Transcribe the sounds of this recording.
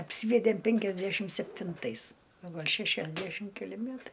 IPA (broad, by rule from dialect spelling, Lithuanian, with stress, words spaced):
ɐpʲˈsʲiːʋʲɛdʲeːm pʲɛŋʲkʲɛzʲˈdʲæʃʲɪm sʲɛpʲtʲɪnˈtɐɪs oː ˈɡɐlʲ ʃʲɛʃʲɛzʲˈdʲæʃʲɪm kʲɛˈlʲɪ ˈmʲætɐɪ